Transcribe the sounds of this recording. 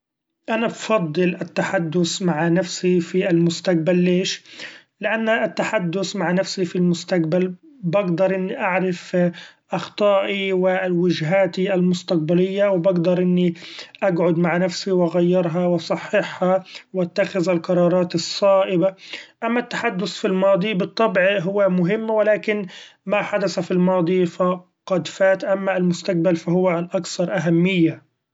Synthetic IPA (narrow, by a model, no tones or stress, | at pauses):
ʔanabfɑd̪ˤːɨlʔat̪ːaħad̪ːʊsmaʕnafsifialmʊst̪aq̚balːeːʃ | lɪʔanːʔat̪ːaħad̪ːʊsmaʕnafsifilmʊst̪aq̚bal | baɡd̪ɑɾˤʔɪnːiʔaʕɾɪfʔɑxt̪ˤɑːʔiwɪwɪd͡ʒɦaːt̪ialmʊst̪aq̚balɪjːawɪbaɡd̪ɑɾˤʔɪnːiʔaɡʕʊd̪maʕnafsiwʔaɣajːɪɾɦɑwɑsˤɑħːɪħhɑwʔat̪ːaxɪðalqɑɾˤɑːɾˤɑːt̪ɨsˤːɑːʔɪbaʔamːat̪ːaħad̪ːʊθfilmɑːd̪ˤibɨt̪ˤːɑbʕɦʊwːamʊɦɪmːwɪlaːkɪnmaħad̪aθafilmɑːd̪ˤifa | qɑd̪faːt̪ʔamːaɪlmʊst̪aq̚balfaɦʊwːaʔakθɑɾˤʔaɦamːɪjːa